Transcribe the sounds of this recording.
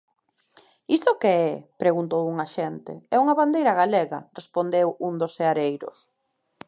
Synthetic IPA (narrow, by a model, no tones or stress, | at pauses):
ist̪ʊkeɛpɾeɣunt̪owuŋaʃɛnt̪ḛɛuŋɐβand̪ejɾɐɣaleɣɐrespond̪ewund̪oseaɾejɾʊ̰s